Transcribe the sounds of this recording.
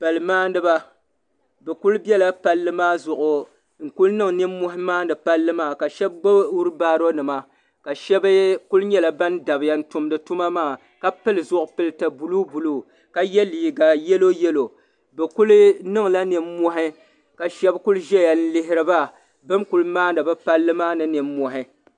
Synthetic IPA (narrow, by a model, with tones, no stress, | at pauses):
pa˨lɨ˨maː˦n˦dɨ˦ba˦ | bɛ˨ku˦lbjɛ˦la˦pa˦lːɨ˦maː˦zʊ˨ʔʊ˨ | ŋ̩˨ku˦lnɨ˦ŋnɨ˦mː˦o˦hɪ˦maː˦n˦dɨ˨pa˦lːɨ˦maː˦˨ka˨ʃɛ˦b̚ɡ͡ba˦wu˦ɾɨ˦baː˦ɾo˦nɨ˨ma˨ | ka˨ʃɛ˦bku˦lɲɛ˦la˨ba˦nda˨bɪ˨ja˨n̩˦tʊ˨m˦dɨ˨tu˦ma˦maː˦˨ | ka˦pɨ˦lɨ˨zʊ˦ʔʊ˨pɨ˦lɨ˦ta˨bu˨lu˦bu˨luː˦ | ka˦jɛ˦liː˨ɡa˨jɛ˦lo˦jɛ˦lo˨ | bɛ˨ku˦lɨ˦nɨ˦ŋla˦nɨ˨m˦mːɔ˦ɦɪ˦ | ka˨ʃɛ˦bku˦lʒɛ˦ja˨n̩˦lɪ˦ɦɪ˦ɾɨ˦ba˦ | bɨ˦mku˨lɨ˦maː˦dɨ˨bɨ˦pa˦lːɨ˦maː˦nɨ˨nɨ˨m˦mɔ˨ɦɪ˦